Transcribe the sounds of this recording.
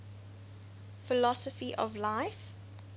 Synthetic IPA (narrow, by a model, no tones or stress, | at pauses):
fɪlɔsəfiʔɔ̰vlaɪf